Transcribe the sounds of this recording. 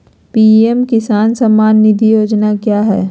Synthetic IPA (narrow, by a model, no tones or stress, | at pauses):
piːemkɪsaːnsɐmːaːnːɪd̪ʱijoːd͡ʒnakjaːɦɛː